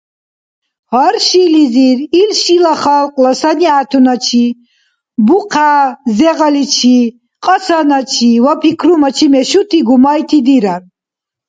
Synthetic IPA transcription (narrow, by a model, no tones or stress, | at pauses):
haɾʃiliziɾilʃilaχalqʼlɔsaniat̪ʰunat͡ʃʰi | buqʰaːzɛʁalit͡ʃʰi | qʼɔsanat͡ʃʰivapʰikʰɾumat͡ʃʰimɛʃut̪ʰiɡumajt̪ʰid̪iɾaɾ